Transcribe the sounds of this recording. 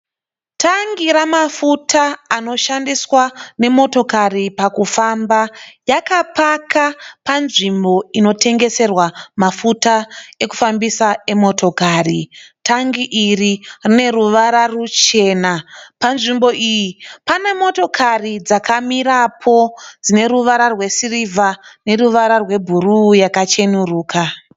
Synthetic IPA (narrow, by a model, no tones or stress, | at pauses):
tʰaŋɡiɾamafutʰaːno̞ʃandiswane̞mo̞to̞karipakufambajakapakapanʐimbo̞ino̞tʰe̞ŋɡe̞se̞rwamafutae̞ku̥fambisae̞mo̞to̞kaːritaŋɡiʔiririne̞ruʋaɾarut͡ʃe̞ːnapanʐimbo̞ʔijipane̞mo̞to̞kʰarid͡zakʰamiɾapʰo̞d͡zine̞ɾuʋaɾarwe̞sirivane̞ruʋaɾarwe̞bʱurujakat͡ʃe̞nuruːka